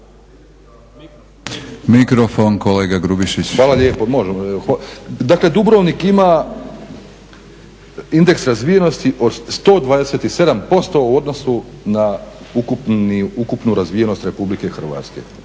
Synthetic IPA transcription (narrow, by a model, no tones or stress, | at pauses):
mikɾofonkoleːɡaɡɾubiʃit͡ɕxʋaːlaʎʲeːpomo̞ʒemoxd̪akle̞d̪ubɾoʋnikima | ind̪e̞ksɾazʋije̞no̞st̪iʔo̞d̪st̪o̞ːd̪ʋaːd̪ese̞t̪ise̞d̪ampo̞st̪o̞uod̪no̞sunaukupiukupnuɾazʋije̞no̞st̪ɾe̞publike̞xr̩ʋa̰ːt̪ske̞̰